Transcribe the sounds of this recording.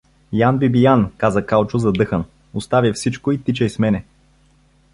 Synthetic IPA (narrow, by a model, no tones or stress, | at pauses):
janbibijankazəkalˠt͡ʃʊzɐd̪ɤxən | ʊst̪avʲifsit͡ʃkoit̪it͡ʃɛismɛnɛ